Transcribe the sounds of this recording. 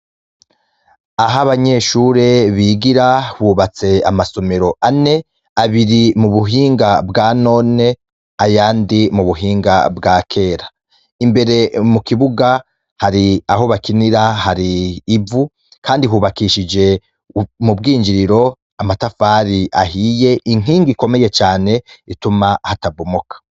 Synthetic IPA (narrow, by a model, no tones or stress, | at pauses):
aɦaβaɲe̞ːʃuːɾe̞βiːɡiɾahuːβat͡se̞amaso̞me̞ɾo̞ʔane̞ | aβiɾimuβuɦiːŋɡabɡaːno̞ːne̞ | ajaːndimuβuɦiːŋɡa̰bɡaːkʰe̞ːɾa | imbe̞ɾe̞mukiβuɡa | haɾiahoβakiniɾahaɾiːvu | kʰaːndiɦuβakiʃid͡ʒe̞ | mubɡiːɲd͡ʒiɾiɾo̞ | amatafaːɾiʔahije̞ʔiŋ̥iːŋɡiko̞me̞je̞t͡ʃaːne̞itumahatabumokḁ